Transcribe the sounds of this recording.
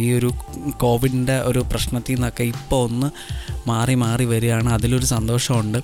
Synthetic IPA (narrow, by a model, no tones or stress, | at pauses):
iːo̞ɾuko̞ːʋiɖinde̞ʔo̞ɾuprɐɕɳɐt̪ːinokːeipːo̞onːɨ | maːrimaːriʋɐɾujaːɳɨɐðilo̞ɾusɐnd̪o̞ːʂɐmuɳɖɨ